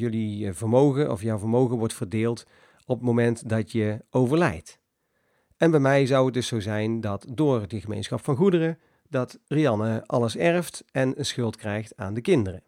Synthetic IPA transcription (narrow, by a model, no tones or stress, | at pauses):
jɵlivəɹmowɣənʔɔ̰fjɑwvəɹmowɣənʋɔɹtfəɹdɪːlˠt | ɔpətmomɛntdɑtjəowvəɹlɛ̰jt | ɛnbɛjmɛjzʌwət̚dɵsowzɛjndɑtdʊːɹdəχəmḛjnsχɑpfɑnχudərə | dɑtriɑnəʔɑləsɛrəftɛnənsχɵlˠtkrɛjχtaːndəkɪndərə